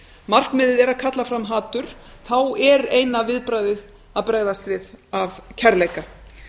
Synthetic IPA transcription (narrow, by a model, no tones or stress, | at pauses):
mar̥kmɪːðɪðɛɾaðkʰat̪lafɾamɦaːt̪ʏɾ̥θawɛɾejnavɪðpɾaːjðɪð | aðpɾaːɣðast̪vɪðavcʰɛɾlejka